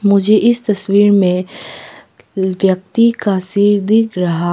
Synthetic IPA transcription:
mʊd͡ʒʱeʔɪst̪ɐswiːɾmẽ | ʋjɐk̚t̪ikasiːɾd̪ikɾɐɦaː

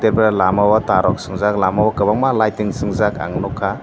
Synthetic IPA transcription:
teɾpɾalamabataɾɔk̚sɯŋzaklamabakɯbaŋmalajtiŋsɯŋzaka̰ŋnɔkʰa

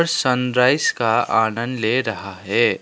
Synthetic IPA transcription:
ɾsə̃nɾaːɪskaaːnə̃nd̪leɾɐɦaɦɛː

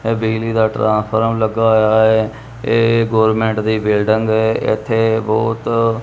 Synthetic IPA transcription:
eːbiːliːd̪aːʈɾãːnspʰəɾəmləɡaːojaːɛː | eːɡoːɾmẽːɳʈd̪iːbɪːlɖəŋɡɛːɪ̰t̪ʰːeːbɔːt̪

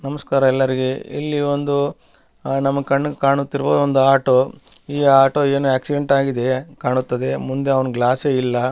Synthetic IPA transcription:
nɐmɐskaːɾɐɛlːɐɾiɡe̞ḭlːiʋond̪u | nɐmːɐɡkɐɳːkaːɳut̪ːiɾboːd̪ond̪uaːʈoiːaːʈo̞ːe̞ːnujaːksiɖe̞ɳʈaːɡid̪e̞kaːɳut̪ːɐd̪e̞mund̪eɐʋɐnɡlaːseːilːɐ

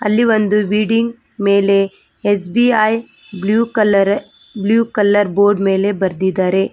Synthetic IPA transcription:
ɐlːiʋɐnd̪uʋiːɖiŋɡ | me̞ːle̞ | es̬biaj | bljuːkɐlɐɾ | bljuːkɐlːɐɾboːɾɖme̞ːle̞bɐɾd̪id̪ːaːɾe̞

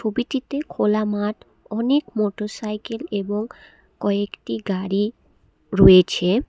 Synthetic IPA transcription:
obiʈit̪ekʰolamaʈ | ɔnekmoʈoɾsajkeleboŋ | kɔekʈiɡaɾi | ɾojet͡ɕʰe

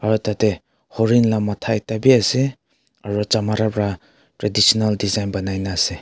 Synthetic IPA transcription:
aɾutate | hɔɾinlamatʰajtabiase | aɾɔt͡ʃamaɾabɾa | tɾedisɔnaldizajnbanajnase

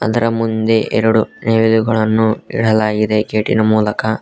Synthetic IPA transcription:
ɐd̪ɐɾɐmund̪e̞ʔḛɾɐɽuneːʋiluɡɐɭɐnːuḭɽɐlaːɡid̪e̞ɡeːʈinɐmuːlɐkɐ

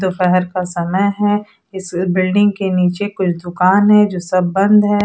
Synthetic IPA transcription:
d̪ofɛɦɛɾkasɐməjɦɛ | ɪsbɪlɖɪ̃ŋɡkeniːt͡ʃekʊt͡ʃʰd̪ʊkaːnɦɛd͡ʒoːsɐbːɐ̃nd̪ʱɦɛː

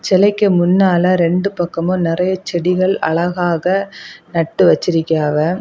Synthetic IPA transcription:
t͡ʃɛlɐɪkːɯmʊnːaːlɐɾɛɳɖɯpɐkːɐmonɪrɐjɐt͡ʃɛɽɪɣɐɭɐ̰ɭɐɣaːɣɐnɐʈːɯʋɐt͡ʃːɪɾɪkːɐaːʋɐ

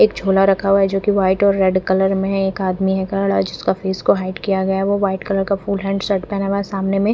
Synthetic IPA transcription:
eːkd͡ʒʱoːlaɾɐkʰaɦuaɦɛd͡ʒoːkiʋaːɪʈɔːɾːɛɖkɐləɾmẽeːkaːd̪miɦɛkɐɽad͡ʒɪskafeːskoɦaːɪʈkijaɡɐjaɦɛʋoʋaːɪʈkɐləɾkafuːlɦɛ̃ːɳɖsɐʈpɛːnaʋalesaːmnemẽ

